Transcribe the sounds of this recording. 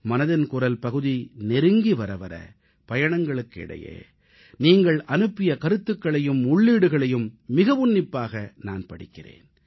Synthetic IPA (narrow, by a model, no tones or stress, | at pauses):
mɐnɐðɪnkʊrɐlpɐɣɯðinɛɾɯŋɡiʋɐɾɐʋɐ̰ɾɐ̰ | pɐjɐɳɐŋɡɐɭɯkːɪ̰ɽɐ̰jḛː | niːŋɡɐɭʔɐnɯpːɪjɐkɐɾɯt̪ːɯkːɐɭɐjɯmʊɭːiːɽɯɣɐɭɐjɯmːɪɣɐʋʊnːɪpːaːɣɐna̰ːnpɐɽɪkːɪrḛːn